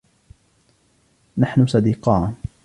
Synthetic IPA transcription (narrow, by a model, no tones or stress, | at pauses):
naħnʊsɑd̪iːqɑːn